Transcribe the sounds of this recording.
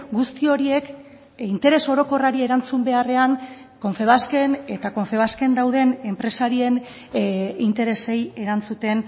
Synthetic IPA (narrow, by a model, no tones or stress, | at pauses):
ɡust̪io̞ɾie̞k | int̪e̞ɾe̞so̞ɾo̞ko̞raɾie̞ɾant͡sumbe̞are̞aŋ | ko̞ɱfe̞β̞aske̞ne̞t̪ako̞ɱfe̞β̞aske̞nd̪awðe̞ne̞mpɾe̞saɾie̞n | int̪e̞ɾe̞se̞je̞ɾant͡sut̪e̞n